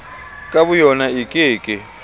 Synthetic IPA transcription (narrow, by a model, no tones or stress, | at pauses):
kʼaβʊjɔnaikʼɪːkʼɪ